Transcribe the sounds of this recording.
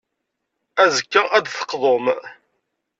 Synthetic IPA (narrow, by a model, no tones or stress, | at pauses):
æzəkːəæd̪θə̥qðˤom